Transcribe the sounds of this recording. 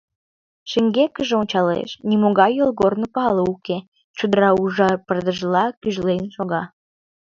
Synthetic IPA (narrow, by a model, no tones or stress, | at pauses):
ʃeŋɡekəʒeonʲt͡ɕɑlḛʃnimoɣɑjolɣornopɑləuke | t͡ɕod̪əɾɑuʒɑpərd̪əʒlɑkyʒlejnʃoɣɑ